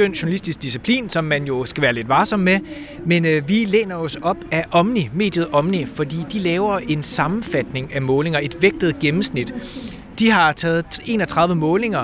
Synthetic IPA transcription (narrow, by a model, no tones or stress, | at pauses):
ønd̥ɕonælisd̥isɡ̥̚d̥isipʰlḭːnsɒ̽mːænjo̝sɡ̥æʋæːɐle̝d̥ʋɑ̈ːsɒ̽m̰me | menʋilḛːnɐɒ̽sɒ̽b̥æʔɒ̽mnime̝̰ːd̥jð̞̩ˠɒ̽mnifɒ̽d̥ḭːd̥ilɛːʊɐʔe̝nsɑ̈mn̩fæd̥ne̝ŋæmɔ̽ːle̝ŋɐe̝d̥ʋeɡ̥̚d̥ð̞̩ˠɡ̥emm̩snid̥ | d̥iɦɑ̈t͡sʰɛːð̩ˠe̝̰ːnɒt͡sʰʁɑ̈ðˠʋəmɔ̽ːle̝ŋɐ